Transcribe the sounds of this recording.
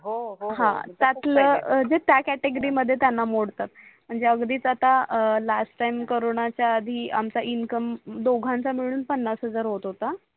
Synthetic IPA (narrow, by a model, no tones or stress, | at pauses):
ɦɦã̰t̪jat̪ləd͡zet̪jakæʈeɡəɾiməd̪ʱːjet̪janːamoɽt̪at̪̚m̤əɳd͡zeəɡd̪iːt͡sat̪alasʈʈaimkoɾoɳ̃at͡ɕjaːd̪ʱiːʔa̰mt͡saʔinkəmd̪oɡʱãnt͡samiɭ̃uːnpənːasɦəd͡zaɾɦot̪ɦot̪a